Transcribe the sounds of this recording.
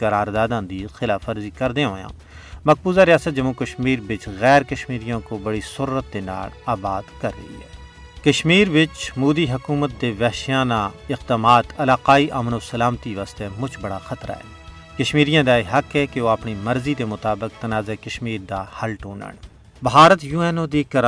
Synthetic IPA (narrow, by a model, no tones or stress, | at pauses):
kɐɾaːɾd̪aːd̪ãnd̪iːzxɪlaːfəɾzikɐɾd̪ẽɦoːjã̰ː | mɐk̚buːzaɾijaːsət̪̚d͡ʒɐmukɐʃmiːɾbɪt͡ʃɣɛːɾkɐʃmiːɾijõkobɐɽisʊɾːət̪̚d̪ena̰ːɽaːbaːd̪kɐɾːɐ̰ɦḭɦɛ̰ː | kɐʃmiːɾʋɪt͡ʃmuːd̪iɦɐkuːmət̪̚d̪eʋɛːʃjaːnaɪqd̪aːmaːt̪ɐlaːqaːiʔɐmnosɐlaːmt̪iʋaːst̪emʊt͡ʃʰbɐɽa̰xɐt̪ɾʔa̰ɦɛ̰ː | kɐʃmiːɾijãd̪aeɦɐkɦɛkeʋoɐpnimɐɾzid̪emʊt̪aːbɪk̚t̪ɐnaːzekɐʃmiːɾd̪ahɐlʈuːnə̰ɳ | bʱaːɾət̪juːɛːnod̪eːkɐɾ